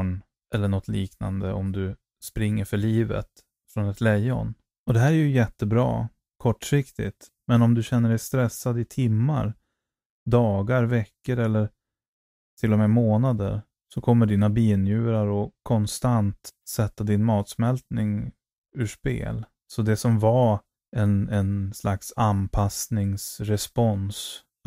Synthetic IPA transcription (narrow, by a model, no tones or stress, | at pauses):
n | ʔɛlːəɳɔt̪ʰliːkna̰nd̪əʔɔmd̪ɵ | spɾɪŋːəɾfœɭiːvə̰t̪ | fɾɔnɛt̪ʰlɛjːɔ̰n | ɔd̪ɛɦæːɾæjɵjɛt̪ːəbɾɑ̰ː | kʰɔʈːʂɪkt̪ɪt̪ | mɛnɔmd̪ɵɕɛnːəɖɛjst̪ɾɛsːad̪ɪt̪ʰɪmːa̰ɾ | d̪ɑːɡaɾvɛkːəɾɛlːəɾ | t̪ʰɪlːɔmɛːmoːnad̪ə̰ɾ | sɔkʰɔmːəɖiːnabiːnjʉ̟ːɾaɾɔkʰɔnst̪ant̪sɛt̪ːad̪ɪnmɑːt̪smɛlt̪nɪŋ | ʉːʂpḛːl | sɔd̪ɛsɔmva | ɛnɛnslaksanpʰasnɪŋsɾɛspɔns